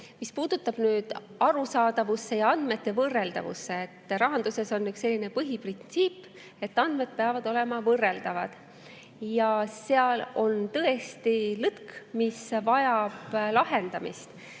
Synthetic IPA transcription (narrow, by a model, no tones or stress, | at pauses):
mispuːd̪̥ut̪ːˑɑb̥nyːd̪̥ | ɑɾusɑːd̪̥ɑvusːe̞jɑɑnd̪̥me̞t̪ːe̞vɤrːe̞ld̪̥ɑ̰vṵsːe̞ːt̪ːɾɑɦɑnd̪use̞so̞nːykse̞lːine̞pɤɦiprint̪siːpː | e̞t̪ːˑɑnd̪me̞d̪̥̚peɑvɑd̪̥o̞le̞mɑvɤrːe̞ld̪̥ɑvɑd̪̥ | jɑseɑlo̞nt̪ɤe̞st̪ilɯt̪kmisvɑjɑb̥lɑɦe̞nd̪̥ɑmḭst̪